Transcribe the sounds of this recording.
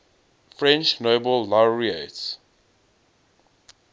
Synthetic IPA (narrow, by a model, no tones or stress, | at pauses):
fɹɛ̃nt͡ʃnoːbəlːaʊɹiets